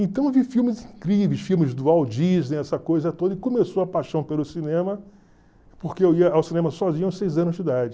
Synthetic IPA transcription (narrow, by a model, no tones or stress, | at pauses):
ẽt̪ɐ̃w̃vifiwmɪzĩkɾivejsfiwmɪzd̪ʊawd͡ʒiznɛ̃ɛsɐkojzɐt̪od̪ɐɪkomesowɐpaʃɐ̃w̃pelʊsinẽmɐ | pokeewiɐawsinẽmɐsɔzĩɲɐ̃sejzɐ̃nʊzd͡ʒid̪ad͡ʒɪ